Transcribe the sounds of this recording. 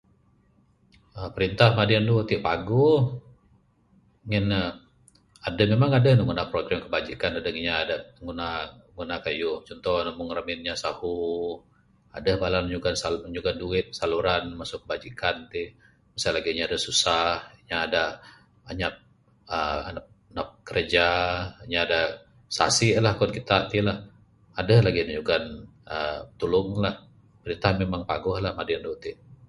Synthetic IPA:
əpəɾint̪ahmadiand̪ut̪ɪʔpaɡu | ŋɪn | adamemaŋadənəŋɡunapɾoɡɾamkəbad͡ʒikanadəŋiɲaːdaəŋunaɡunakajut͡ʃɔnt̪ɔhnamʊŋɾamɪnɲasahu | a̰dəhbalalmɲuɡansaəɲuɡanduɪt̪̚saluɾanmasʊk̚əbad͡ʒikant̪i | məsalaɡiɲaːdasusahɲaːda | aɲap̚ | əa̰nap̚ | nap̚kəɾəd͡ʒaiɲaːda | sa̰sɪʔlahkɔnkit̪at̪ilah | adəhlaɡinəɲuɡanət̪ulʊŋlah | pəɾint̪aɦanmemaŋpa̰ɡɔhlahmadɪndut̪ɪʔ

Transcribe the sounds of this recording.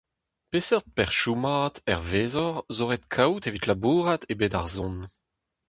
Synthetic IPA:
pesɛt̚pɛʁʃumaːtɛ̰ʁveːzɔʁzoʁet̪kʰawtevit̪labuːʁat̪ebeːda̰ʁzɔ̃n

